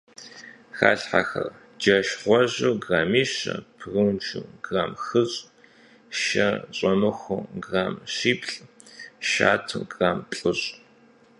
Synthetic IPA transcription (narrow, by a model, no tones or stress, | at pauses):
xa̰ːɬħa̰xɐ̰r | d͡ʒɐʃχʷɔʑuːɡraːmiːɕɐ̰pʰrɨwnt͡ʃʰṵɡraːmxɨɕʼ | ʃɐɕʼɐmɨxʷʊɡraːmɕiːpɬʼ | ʃa̰ːtʰɨɡraːmpɬʼɨɕʼ